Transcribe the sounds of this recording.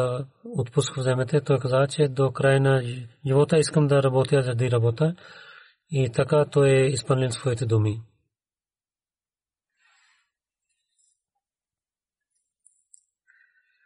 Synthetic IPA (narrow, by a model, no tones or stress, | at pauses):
ʊt̪pʊskʋzɛːmɐt̪et̪oːekɐzaːt͡ʃed̪okɾaːjnɐd͡ʒɪʋoːt̪ɐɪskɐmd̪ɐɾɐboːt̪ijaːzɐɾd̪iːɾɐboːt̪ɐ | it̪ʰɐkat̪oːeɪspɐnlinspʰoːjt̪ed̪umi